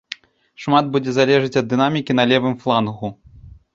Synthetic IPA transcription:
ʂmad̪̚bud͡zʲɛzalʲɛʐɨt͡sʲɐd̪ːɨnamʲikʲinalʲɛvɨmflˠanɣu

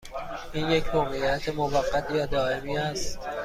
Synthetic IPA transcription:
ʔiːnje̞cʰmoːɣeijæt̪ʰemovæɢːæt̪ʰjæːd̪ɒːe̞miːæst̪t̪

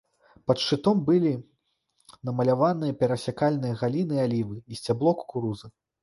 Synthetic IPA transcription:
pɐt̪ʂɨt̪ɔmbɨlʲi | nɐmɐlʲavanɨjɐpʲɛɾɐsʲakalʲnɨjɐɣalʲinɨalʲivɨisʲt͡sʲablˠɔkkuɾuzɐ

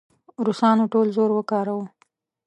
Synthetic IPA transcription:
ɾusɑnoʈolzoɾwəkɑɾaw

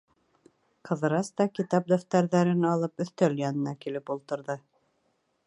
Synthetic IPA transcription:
qɤ̆ðɤ̆ɾɑst̪ɑkit̪ɑp̚d̪ɵft̪æɾðæɾɘnɑlˠɤpɵ̆θt̪œljɑnɤ̆nɑkilɘpulˠt̪ɤ̆ɾðɤ

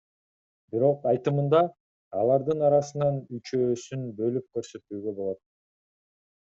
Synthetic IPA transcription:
biɾo̞qɑjt̪ɯmɯnd̪ɑ | ɑlˠɑɾd̪ɯnɑɾɑsɯnɑnyt͡ʃø̞ːsynbø̞lyp̚køɾsø̞t̪yːɡø̞bo̞lˠo̞t̪̚

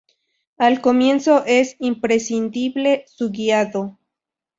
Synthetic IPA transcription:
alkomje̞nsoʔesimpɾesind̪iβlesuɣiaðo

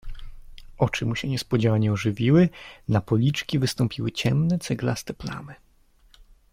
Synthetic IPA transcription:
ɔt͡ʂɘmuɕɛɲɛspɔd͡ʑawaɲɛɔʐɘvʲiwɘnapɔlʲit͡ʂkʲivɘst̪ɔmpʲiwɘt͡ɕɛmnɛt̪sɛɡlast̪ɛpla̰mɘ

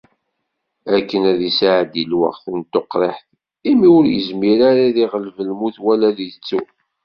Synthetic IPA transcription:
ækːənæðisʕd̪ilwə̰ʁθənt̪ːoqːɾˤeħθ | imiʊɾjə̰zmiɾaɾaðiʁəlvəlmuθwælæðit͡sːu

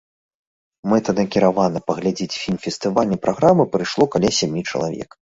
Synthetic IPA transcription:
mɛt̪ɐd̪ɐkʲiɾavanɐpɐɣlʲad͡zʲet͡sʲfʲilʲmfʲɛst̪ɨvalʲnʲɛpɾʔaɣɾamɨpɾɨjʂlˠɔkalʲasʲamʲit͡ʂɐlˠa̰vʲɛ̰k

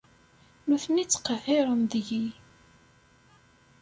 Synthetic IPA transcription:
nuθnit͡sːqəθɪɾˤənd̪ʝi

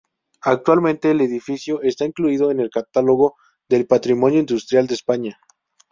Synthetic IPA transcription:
ak̚t̪walmẽnt̪e̞ːleðifisjo̞ʔest̪aiŋkluiðoene̞lkat̪alo̞ɣo̞ | ðe̞lpat̪ɾimo̞njoind̪ust̪ɾjald̪eːspaɲa

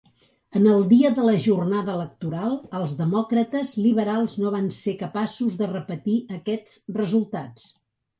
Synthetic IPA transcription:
ənəlˠd̪iəðələʒurnaðəələk̚t̪uɾalˠəlˠzðəmɔkɾət̪əzliβəɾalˠznoβ̞ansekəpasuzðərəpət̪iəkɛd͡zrəzulˠt̪at͡s

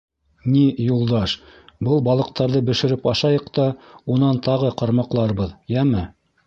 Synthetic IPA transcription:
nijulˠd̪ɑʃbɤlˠbɑlˠɤ̆q̚t̪ɑɾðɤbɘ̆ʃɘ̆ɾɘpɑʃɑjɤqt̪ɑunɑnt̪ɑʁɤqɑɾmɑqlˠɑɾbɤðjæmɘ

